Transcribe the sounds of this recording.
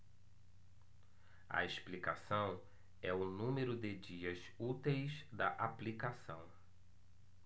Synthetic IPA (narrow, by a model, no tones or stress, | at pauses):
ɐ̰eʃplikasɐ̃w̃ | ɛʊnũmeɾʊd̪ɪd͡ʒiɐz | ut̪ejzd̪ɐʔaplikasɐ̰̃w̃